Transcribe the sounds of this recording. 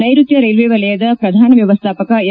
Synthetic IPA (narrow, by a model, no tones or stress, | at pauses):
ɐjɾut̪jɐɾejlʋeːʋɐlɐjɐd̪ɐpɾɐd̪ʱaːnɐʋjɐʋɐst̪ʰaːpɐkɐ